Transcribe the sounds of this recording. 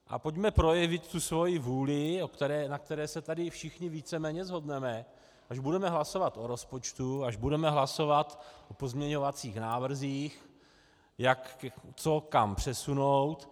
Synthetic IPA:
ʔa̰po̞cmɛpɾo̞jɛvɪt̪ːusvo̞jɪvuːlɪokt̪ɛɾɛːnak̚t̪ɛɾɛːsɛt̪adɪfʃɪxɲɪviːt͡sɛmɛːɲɛzɦo̞dnɛmɛ | ʔaʒbudɛmɛɦlaso̞vat̪ʔoɾo̞spo̞t͡ʃt̪uaʒbudɛmɛɦlaso̞vat̪ʔopozmɲɛɲo̞vat͡siːxnaːvr̩ziːx | jakt͡so̞kampr̥ɛsunowt̪

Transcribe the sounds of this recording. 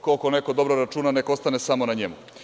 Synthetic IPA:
koko̞ne̞ko̞d̪o̞bɾoɾat͡ʂuːnane̞koost̪anesamo̞naɲḛmu

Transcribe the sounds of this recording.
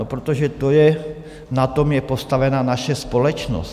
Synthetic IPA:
opɾot̪oʒɛt̪o̞jɛ | nat̪o̞mjɛpo̞st̪avɛnaːnaʃɛspo̞lɛt͡ʃno̰s

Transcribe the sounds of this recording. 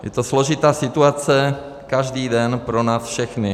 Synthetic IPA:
jɛ̰t̪oslo̞ʒɪt̪aːsɪt̪uat͡sɛ | kaʒdiːdɛnpɾo̞naːsfʃɛxnɪ

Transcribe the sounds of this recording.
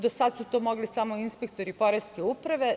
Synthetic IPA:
d̪osad̪sut̪oːmo̞ɡlisamoinspek̚t̪o̞ɾipo̞ɾeskeupɾaʋe̞

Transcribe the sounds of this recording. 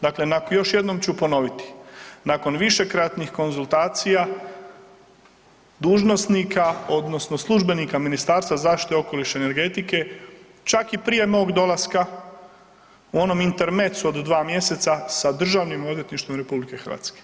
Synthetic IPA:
d̪akle̞nakjo̞ʃje̞d̪no̞mt͡ɕupo̞no̞ʋit̪i̥nako̞nʋiʃe̞kɾat̪nixko̞nzulˠt̪aːt̪sija | d̪uːʒno̞sniːkao̞d̪no̞sno̞slˠuʒbe̞niːkaminist̪aːɾst̪vazaːfʃt̪i̥t̪eo̞ko̞liʃeene̞ɾɡe̞t̪ike̞ | t͡ʃakipɾije̞no̞ːɡd̪o̞lˠaska | uo̞no̞mint̪e̞ɾme̞t̪suo̞d̪d̪ʋaːmje̞se̞t̪sasad̪r̩ʒaːʋnimo̞d̪ʋjet̪niʃt̪ʋo̞mɾe̞publike̞xɾʋa̰ːt̪ske

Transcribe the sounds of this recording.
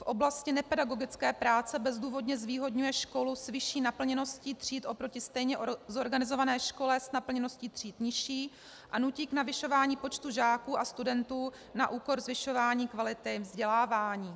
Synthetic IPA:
fʔo̞blascɪnɛpɛdaɡo̞ɡɪt͡skɛːpɾaːt͡sɛbɛzduːvo̞dɲɛzviːɦo̞dɲujɛʃko̞lusvɪʃiːnapl̩ɲɛno̞sciːt̪r̝̥iːt̪ʔo̞pɾo̞cɪst̪ɛjɲɛzo̞ɾɡanɪzo̞vanɛːʃko̞lɛsnapl̩ɲɛno̞sciːt̪r̥iːt̪ɲɪʃiː | ʔanuciːknavɪʃo̞vaːɲiːpo̞t͡ʃt̪uʒaːkuːʔast̪udɛnt̪uː | naʔuːko̞ɾzvɪʃo̞vaːɲiːkvalɪt̪ɪvzɟɛlaːvaːɲiː

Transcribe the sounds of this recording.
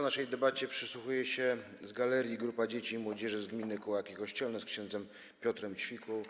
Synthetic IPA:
naʂɛjd̪ɛbat͡ɕɛpʂɘswuxujɛɕɛ | zɡalɛɾʲjiɡɾupad͡ʑet͡ɕimwɔd͡ʑɛʐɘzɡmʲinɘkɔwakʲikɔɕt͡ɕɛlnɛskɕɛnd̪zɛm | pʲjɔt̪ɾɛmt͡ɕfʲikɔw

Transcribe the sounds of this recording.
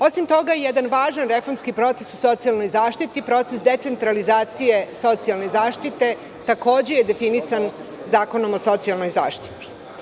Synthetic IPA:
o̞simt̪o̞ɡajed̪anʋaːʒanɾefo̞ɾmskipɾo̞t̪esuso̞t̪sialno̞jzaːʃt̪it̪ipɾo̞t̪sesd̪e̞t̪se̞nt̪ɾalizaːt̪sije̞so̞t̪sialne̞zaːʃt̪it̪e̞ | t̪ako̞ːd͡ʑe̞jed̪e̞finisanzaːko̞no̞mo̞so̞t̪sialˠno̞jzaːʃt̪i̥t̪i̥

